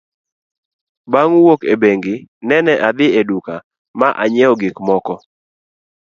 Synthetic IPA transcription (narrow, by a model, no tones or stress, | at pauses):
baŋwokebeŋɡɪnɛnɛʔad̪ɪeduka | maʔa̰ɲɛɔɡɪkmɔkɔ